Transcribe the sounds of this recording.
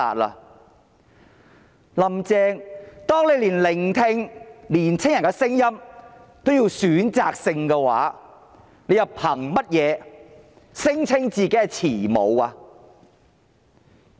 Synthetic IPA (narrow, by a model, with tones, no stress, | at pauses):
a̰ː˨t̚la̰˧ | lɐ˨˩mt͡sɛː˧ŋt̪ɔː˥ŋle˨˧jliː˨˩nlɪ˨˩ŋt̪ʰɪ˧ŋliː˨˩nt͡sʰɪ˥ŋjɐ˨nkɛ˧sɪ˥ŋjɐ˥mt̪o˥wji˧wsyː˨˥nt͡saː˨k̚sɪ˧ŋkɛ˧wa̰ː˨˥ | ne˨˧jɐ˨˩wpʰɐ˨˩ŋmɐ˥t̚jɛː˨˧ | sɪ˥ŋt͡sʰɪ˥ŋt͡siː˨ke˨˦jɐ˧t͡sʰiː˨˩mo̰˨˧waː˧